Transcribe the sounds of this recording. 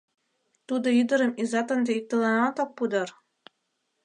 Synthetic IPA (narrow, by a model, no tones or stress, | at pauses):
t̪ud̪ɤ̆id̪ɤ̆ɾɤ̆mizɑt̪ɤ̆nd̪ɤik̚t̪ɤ̆lˠɑnɑt̪ɑppːud̪ɤ̆r